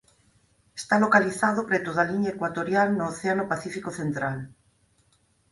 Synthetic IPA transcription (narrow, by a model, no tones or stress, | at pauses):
est̪alokaliθaðopɾet̪oðaliɲaekwat̪oɾjalnoːθeanopaθifikoθent̪ɾal